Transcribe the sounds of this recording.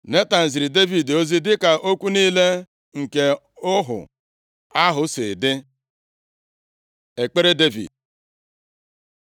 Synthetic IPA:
ne˦ta˨n̩˨zi˨ɾi˨de˦vi˨do˦zi˦dɪ˦ka˨ʔo˦kʷu˦niː˦le˦ | ŋ̩˨ke˦ | ʊ˦ɦʊ̰˨ | a˦ɦʊ˨se˨dɪ˦ | e˨k͡pe˦ɾe˦de˦vḭ˨d̚

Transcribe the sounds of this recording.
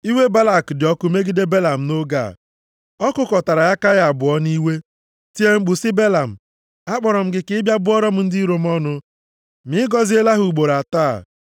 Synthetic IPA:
i˦we˦ba˦la˨kdɪ˨ɔ˦kʊ˦me˦ɡi˦de˦be˦la˨m̩˨no˦ɡa̰˦˨ | ɔ˦kʊ˦kɔ˨ta˨ɾa˨ja˦ka˦ja˨bʊ˨ɔ˦ni˦we˦ | ti˦e˦ŋ͡m̩˦ɡ͡bʊ˨sɪ˦be˦la˨m̩˨ | a˦k͡pɔ˨ɾɔ˨m̩˦ɡɪ˨kɪ˦bja˦bʊ˦ɔ˦ɾɔ˦m̩˦n̩˦di˦ɾo˨m˦ɔ˦nʊ˦ | mɪ˦ɡɔ˦zi˦e˦la˦ɦu˨u˨ɡ͡bo˨ɾa˨ta̰ː˦˨

